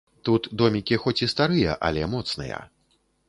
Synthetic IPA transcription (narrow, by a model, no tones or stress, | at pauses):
t̪ut̪d̪ɔmʲikʲixɔt͡sʲist̪aɾɨjɐ̰ʔɐ̰lʲɛmɔt̪snɨ̰jɐ̰